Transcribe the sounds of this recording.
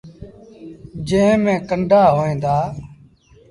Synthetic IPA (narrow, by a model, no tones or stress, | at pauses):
d͡ʒẽːmẽːkəɳɖʱaːɦoːẽːnd̪aː